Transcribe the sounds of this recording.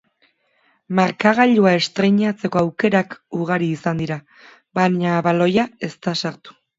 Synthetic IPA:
maɾkaɣ̞aʎuae̞st̪ɾe̞jɲat͡se̞ko̞awke̞ɾakuɣ̞aɾiːsand̪iɾa | βaɲaβalo̞jae̞st̪asaɾt̪u̥

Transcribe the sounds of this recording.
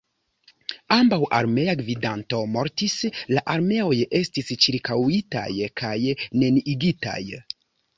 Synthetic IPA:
ambawʔa̰ɾme̞aɡvidanto̞mo̞ɾtislaʔaɾme̞o̞je̞stist͡ʃiɾkawita̰jkʰajne̞niʔiɡita̰j

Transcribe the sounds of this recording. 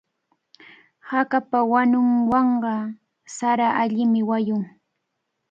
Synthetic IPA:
hakapawanʊŋwɑɴɢɑ | saɾaʔaʎɪmɪwajʊŋ

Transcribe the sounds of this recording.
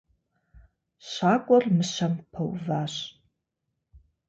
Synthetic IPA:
ɕaːkʷʼɔrmɨɕɐmpʰɐ̰wvaːɕ

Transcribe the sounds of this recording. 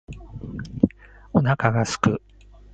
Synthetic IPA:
o̞nakaɡasɨ̥kɯ

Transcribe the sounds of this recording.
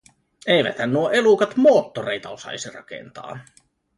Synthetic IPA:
ejʋæ̰t̪hænnuoʔe̞lukɑt̪mo̞ːt̪ːorejt̪ɑosɑ̰isirɑ̰kḛnt̪ɑ̰ː

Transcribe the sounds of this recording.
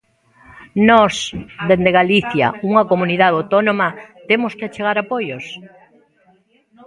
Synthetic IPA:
nɔsd̪end̪eɣaliθjɐ̰uŋɐkomuniðaðowt̪onõmɐt̪emoskeat͡ʃeɣaɾapojos

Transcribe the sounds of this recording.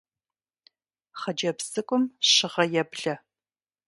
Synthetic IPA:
χɐd͡ʒɐpsɨkʷʼʊmɕɪʁɐjɛbɮɐ

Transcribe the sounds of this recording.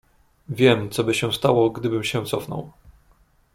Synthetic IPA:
vʲjɛmt̪sɔbɘɕɛw̃st̪awɔɡd̪ɘbɘmɕɛ̃t̪sɔfnɔ̰w

